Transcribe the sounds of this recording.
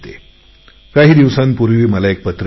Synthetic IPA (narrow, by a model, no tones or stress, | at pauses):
t̪e | kaɦiːd̪iʋsanpuɾʋiːməlaek̚pət̪ɾ